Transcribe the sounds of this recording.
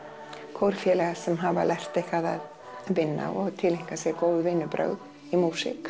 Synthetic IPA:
kʰɔwɾ̥fjɛːlɛɣasɛmɦava̰lʔɛr̥t̪ejhkaða̰ð | vɪnːa̰ʔɔɣt̪ʰɪliŋ̥kasjɛkoːwvʏvɪːnːʏpɾœ̰ːɥð | imuːsɪ̰k

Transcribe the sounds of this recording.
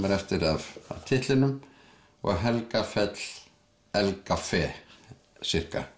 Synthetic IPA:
mɛɾɛft̪ɪɾava̰vt̪ʰɪht̪lɪnʏm | ɔ̰ɣɦɛlkafɛt̪l̥ | ɛlkafɛː | sɪr̥ka̰

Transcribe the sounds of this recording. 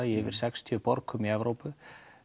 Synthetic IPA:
jɛvɪ̰ɾ̥sɛkst̪ʰjœpɔɾkʰʏmiɛvɾowpʏ

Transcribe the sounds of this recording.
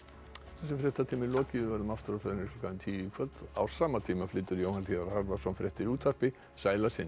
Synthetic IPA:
θɛs̬ːɪfɾɛht̪at̪ʰiːmɪlɔːcɪvɪvɛɾðʏmaft̪ʏɾaθɛðnɪhklɔ̥kʰaðɪnt̪ʰiːikʰvœt̪a̰wsaːmat̪ʰiːmaflɪːt̪ːʏɾjowhanθiːðaɾhaɾðasɔnfɾʲʔɛht̪ɪɾuːt̪ʰar̥pɪ | saːjlasɪn

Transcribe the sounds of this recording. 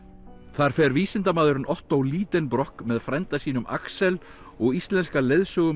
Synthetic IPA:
θaɾ̥fɛɾviːsɪnt̪amaːðʏɾʏnɔht̪awliːt̪ɛnpɾɔhkmɛðfɾɛjnt̪asiːnʏmʔa̰ksɛl | ɔɣist̪lɛnskaleðsœɣʏ

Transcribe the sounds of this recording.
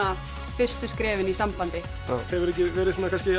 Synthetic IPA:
a | fɪr̥st̪ʏskɾɛːvɪnisampant̪ɪ | ahɛvʏɾɛhc̬ːɪvɛːɾɪsuːnakʰans̬cɪ

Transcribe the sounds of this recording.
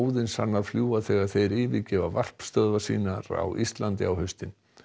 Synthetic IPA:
wðɪnsa̰nːaɾfljuːaθɛːɣaɾθejɾɪːvɪðcɛːvavar̥pst̪œðvasḭːnaɾa̰wʔist̪lant̪ɪ̰awhœɥst̪ɪn

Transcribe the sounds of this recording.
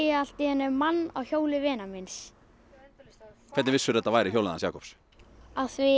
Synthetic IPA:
al̥t̪ɪhɛnːɛmanːa̰wçjoːwlɪvɛːnamɪns | kʰvɛt̪vɪsːʏɾðɛt̪ːavajɾɪçjowlna̰nsjaːkɔps | aðθvɪ

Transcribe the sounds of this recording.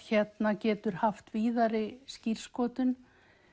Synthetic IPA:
çɛt̪nacɛːt̪ʏɾ̥haft̪viːðaɾɪscir̥skɔːt̪ʏn

